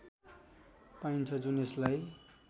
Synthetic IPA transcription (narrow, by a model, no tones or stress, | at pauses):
paint͡sʰʌd͡zuneslaj